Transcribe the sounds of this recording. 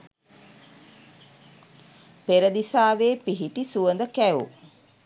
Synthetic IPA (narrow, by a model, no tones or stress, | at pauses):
peɾəd̪isaːʋeːpiɦiʈisuʋənd̪əkæṵ